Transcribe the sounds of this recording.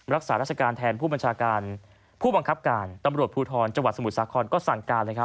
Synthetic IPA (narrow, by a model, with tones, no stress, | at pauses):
ɾa˦˥k̚saː˩˦ɾaː˥˩t͡ɕʰa˧kaː˧nt̪ʰɛː˧npʰuː˥˩ba˧nt͡ɕʰaː˧kaː˧n | pʰuː˥˩ba˧ŋkʰa˦˥p̚kaː˧nt̪a˧mɾu˨˩ət̪pʰuː˧t̪ʰɔː˧nt͡ɕa˧ŋwa˨t̪̚sa˧mu˨˩t̪̚saː˩˦kʰɔː˧nkɔː˥˩sa˨˩ŋkaː˧lɤː˧jkʰa˦˥